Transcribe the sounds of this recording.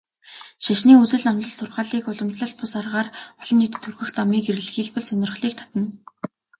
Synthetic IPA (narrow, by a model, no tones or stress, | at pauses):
ʃaʃniːut͡sɘ̆ɮnɔnt̪ɮɞ̆ɮsʊrχaːɮiːkʊɮɞ̆mt͡ɕɮə̆ɬt̪̚pʰʊsarʁaːrɔɮ̥ɞ̆nʊt̪ɘ̆t̪ʰːurɣɘ̆xt͡samiːkeɾɘ̆ɮxiːɮpɔ̆ɮsœnʲɪ̆rχɮiːk̚t̪ʰḁt̪ə̆n